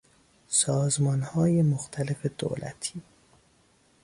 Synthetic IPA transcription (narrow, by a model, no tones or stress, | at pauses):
sɒːzmɒːnhɒːjemoxt̪ʰælefe̞d̪o̰ːlæ̰t̪ʰiː